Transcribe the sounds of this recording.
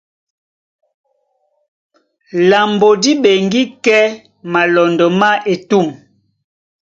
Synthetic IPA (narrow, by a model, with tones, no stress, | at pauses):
la˨mbo˨di˦ɓe˨ŋɡi˦kɛ˦ | ma˨lɔ˨ndɔ˨ma˦ʔe˨tu˦˨ŋ